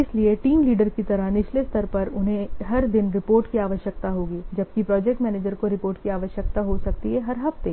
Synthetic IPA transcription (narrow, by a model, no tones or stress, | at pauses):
ɪslieʈiːmliːɖəɾkit̪ɐɾəɦnɪt͡ʃlest̪ʰɐɾpɐɾʊnɦẽɦɐɾd̪ɪnɾɪpoːɾʈkiaːʋəʃjəkt̪aɦoːɡiːd͡ʒɐb̚kipɾɔːd͡ʒɛːk̚ʈmɛːneːd͡ʒəɾkoɾɪpoːɾʈkiaːʋəʃjək̚t̪aɦosɐkt̪iɦɛɦɐɾɦɐft̪eː